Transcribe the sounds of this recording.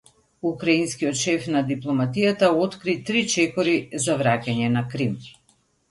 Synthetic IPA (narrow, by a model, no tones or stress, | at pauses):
ukɾainskijɔt̪ʃɛfnad̪iplˠɔmat̪ijat̪aɔt̪kɾit̪ɾit͡ʃɛkɔɾizavɾacaɲɛnakɾim